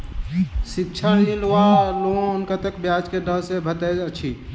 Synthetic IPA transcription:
sikt͡ʃʰəɽnilʋaloõʊnkat̪əkbjad͡ʒkeɖəɦsebʱət̪ɛət͡ʃʰi

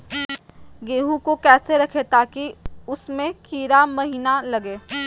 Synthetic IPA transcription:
ɡeːɦũkokɛːseɾɐkʰet̪aːkiʊsmẽkiːɾamɐɦiːnalɐɡeː

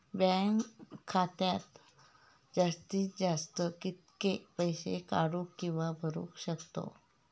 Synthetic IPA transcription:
bɛ̃ŋkʰːat̪jat̪ | d͡zast̪iːt̪d͡zast̪əkit̪̚kepəjɕḛka̰ɽũkːĩw̃ʋabʱəɾṵːkɕəkt̪o̰

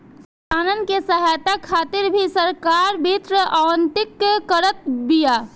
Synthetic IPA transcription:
aːnənkesəɦaːjt̪akʰaːt̪ɪɾbʱisəɾkaːɾbʱit̪ɾəʔawənt̪ɪkkəɾət̪̚bijaː

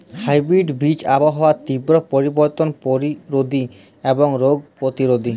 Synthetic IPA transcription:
hajbɾiɖbit͡ɕaboɦɔat̪ibɾopoɾiboɾt̪onpoɾiɾod̪ʱi | eboŋɾoɡ̚pɾot̪iɾod̪ʱi

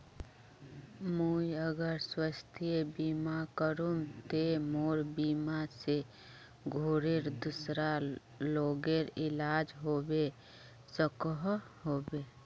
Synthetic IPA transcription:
mujəɡəɾswəst̪ʰiebiːmakəɾumt̪emoːɾbimase | ɡʱoːɾeɾd̪usɾa | loːɡeɾɪlaːd͡ʒɦoːbe | səkəɦ | ɦoːbe

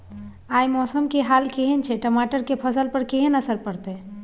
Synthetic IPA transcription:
aːjmɔːsəmkeɦaːlkeɦent͡ʃʰeʈəmaːʈəɾkepʰəsəlpəɾkeɦenəsəɾpəɾt̪e

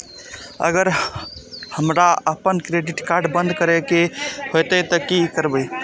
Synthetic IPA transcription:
ə̰ɡəɾ | həmɾaəpənkɾeɖiʈkaɾɖbə̃nd̪kəɾɛkehojt̪ət̪əkikəɾbəj

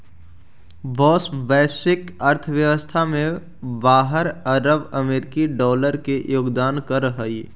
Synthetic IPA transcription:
ʋɔːsbɛːsɪkɐɾt̪ʰʋjɐʋəst̪ʰamẽ | baːɦəɾəɾəbəmeːɾɪkiɖɔːləɾkejoːɡd̪aːnkəɾəɦəi

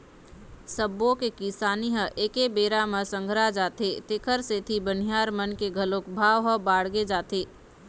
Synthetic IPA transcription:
səbːõkekisaːniɦəʔeːkebeːɾaməsə̃ŋɡʱɾad͡ʒaːt̪et̪ekʰəɾset̪ʰibən̤ijaːɾmənkeɡʱəlõːkbʱaːʋɦəbaːɽɡed͡ʒaːt̪eː

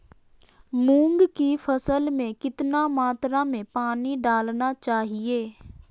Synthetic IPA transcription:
mũːŋɡkiːpʰəsəlmẽːkɪt̪nãːmaːt̪ɾãːmẽːpaːniːɖaːlnaːt͡ʃaːɦieː

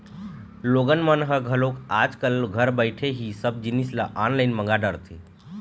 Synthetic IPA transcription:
loɡənmənɦəɡʱəlokad͡ʒkəlɡʱəɾbəɪʈʰeɦisəb̚d͡ʒinisləʔanlaɪnməŋɡaɖəɾt̪ʰḭ

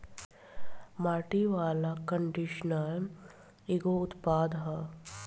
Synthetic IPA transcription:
maːʈiʋaːlakəɳɖiʃnəl | iɡoʊt̪paːd̪ɦɐ

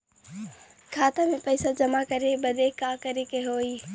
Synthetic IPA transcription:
kʰaːt̪amẽpɐɪsad͡ʑɐmakɐɾebɐd̪eːkaːkɐɾekeɦoːiː

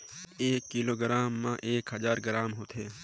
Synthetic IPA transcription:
eːkːiloːɡɾaːmːã̰ʔeːkɦəzaːɾɡəɾaːmɦoːt̪ʰeː

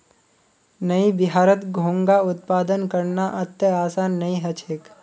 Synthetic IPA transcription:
nɐibɪɦaːɾət̪ɡʱõːŋɡaʊt̪̚paːd̪ənkɐɾnaʔɐt̪jəaːsaːnːɐĩɦɐt͡ʃʰeːk

